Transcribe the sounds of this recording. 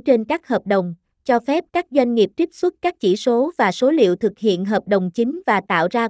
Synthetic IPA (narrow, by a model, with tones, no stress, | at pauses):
t͡ɕe˧nkaː˦˥k̚həː˨˩p̚ɗə˨˩wŋ͡m | t͡ɕɔ˧fɛ˦˥p̚kaː˦˥k̚zwa˧jŋ̟ŋi˨˩əp̚t̪i˦˥əp̚swə˦˥t̚kaː˦˥k̚t͡ɕḭ˧˩so˨˦vaː˨˩so˨˦lḭ˧˨əwt̪ʰɨ˨˩k̚hḭ˧˨ənɦəː˨˩p̚ɗə˨˩wŋ͡mt͡ɕï˨˦ŋ̟vaː˨˩t̪a̰ː˧˨wzaː˧